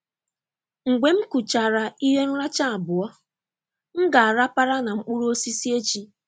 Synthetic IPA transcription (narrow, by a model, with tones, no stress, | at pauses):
ŋ͡m̩˨ɡ͡be˨m̩˦ku˨t͡ʃa˨ɾa˨i˦ɦe˦n̩˦ɾa˦t͡ʃa˦a˨bʊ˨ɔ˦ | ŋ̩˦ɡa˨a˨ɾa˦pa˦ɾa˦na˨ŋ͡m̩˦k͡pu˦ɾu˦o˦si˦si˦e˦t͡ʃi˦